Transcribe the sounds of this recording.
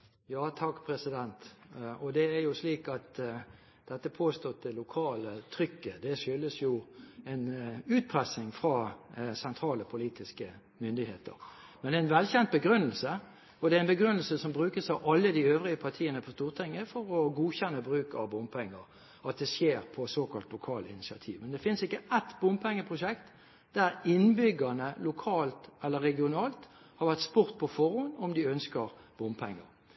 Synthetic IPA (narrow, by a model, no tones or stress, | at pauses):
jɑːt̪ʰɑkːpʰɾɛsɪd̪ɛnt̪ɔd̪ɛːɾjʊsliːkɑt̪ | d̪̥ɛt̪ːəpʰoːst̪ɔt̪̚d̪ɛlʊkʰɑːlət̪ʰɾʏkːəd̪ɛʂʏlːəsjʊɛnʉːt̪̚pʰʁɛsɪŋfɾɑsɛnt̪ʰɾɑːləpʰʊliːt̪ɪskə | mʏnd̪ɪheːt̪ə̰ɾ | mɛnd̪ɛɛnʋɛlçɛnt̪̚bəɡɾʉnːəlsə | ɔd̪ɛæɪnbəɡʁʉnəlsəsɔmbʁʉːkəsɑʋʔɑlːəd̪ɪøːvʁɪəpʰɑʁt̪ʰiːənəpʰɔst̪uːʁt̪ʰɛŋːəfɔɾɔɡuːçɛnːəbʁʉːkɑʋbʊmpʰɛŋːəɾ | ɑt̪̚d̪ɛsjeːʁpʰɔsoːkʰɑlt̪lʊkʰɑːlɪ̰nɪsɪɑ̰t̪ʰḭːʋmɛnd̪ɛfɪnsɪkːəʔɛt̪bʊmpʰɛŋːəpʰʁʊʂɛkt̪ | d̪æɾɪnbʏɡənəlʊkʰɑːlt̪ɛlːəʁːɛɡɪʊnɑːlt̪ | hɑʁʋæʁt̪spʊʁt̪̚pʰɔfɔʁʊnɔmd̪ɪœnskəʁb̥ʊmpʰɛŋːə̰ʁ